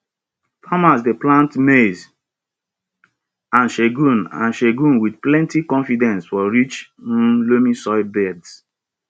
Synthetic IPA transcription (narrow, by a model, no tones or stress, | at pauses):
famasdeplãntmez | ãnʃeɡũnã̰nʃeɡũnwidplɛ̃ntikɔ̃nfidɛ̃nsfɔɹit͡ʃ̩lomĩsɔɪbɛds